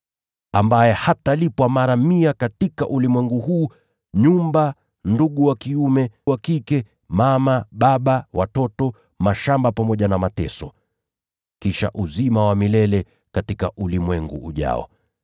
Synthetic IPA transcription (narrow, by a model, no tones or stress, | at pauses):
ambajɛhatalipwamaɾamiakatikaʔulimwɛŋɡuhuː | ɲumba | nduɠuwakiumɛwakikɛ | mamaɓaɓawatɔtɔ | maʃambapamɔʄanamatɛsɔ | kiʃa̰ʔuzimawamilɛlɛ | katikaʔulimwɛŋɡṵːʄa̰ɔ̰